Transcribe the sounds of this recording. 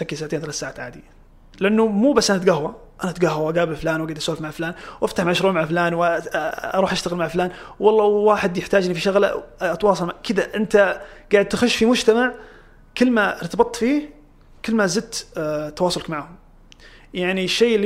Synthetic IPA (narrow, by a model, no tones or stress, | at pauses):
akːisaːʕat̪eːnθalat̪saːʕaːt̪ʕaːd̪i | lɪʔanːumuːbasːʔanat̪ɡaɦwaʔanat̪ɡaɦwaʔɡaːbɪlflaːnwʔaɡad̪ʔasoːhfmaʕflaːnwʔaft̪aħmaʕʃɾuːʕmaʕaflaːnw | ɑɾˤuːħʔaʃt̪aɣɪlmaʕflaːnwɑlˤːɑwwaːħɪd̪jɪħt̪aːd͡ʒɪnifiʃaɣla̰ʔɑt̪wɑːsˤɑlmaʕkʰɪd̪aʔɪnt̪aɡ̥aːʕd̪t̪axʊʃːfimʊd͡ʒt̪amaʕ | kɪlːmaɾt̪abɨt̪ˤːfiːh | kɪlːmazɪd̪̚t̪t̪ːɑwɑːsˤʊlkmaʕhʊm | jaʕniʃːeːʔɪlː